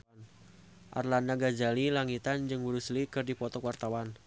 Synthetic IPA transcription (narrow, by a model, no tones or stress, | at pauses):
n | ʔa̰rlandaɡad͡ʒalilaŋit̪and͡ʒɨŋwuɾuslikɨrdipɔt̪ɔkwart̪awan